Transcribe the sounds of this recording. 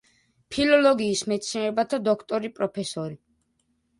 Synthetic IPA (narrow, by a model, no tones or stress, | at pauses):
pʰilɔlɔɡiːsmɛt̪sʰinɾɛbat̪ʰad̪ɔkʰt̪ʼɔɾipʼɾɔpʰɛsɔɾi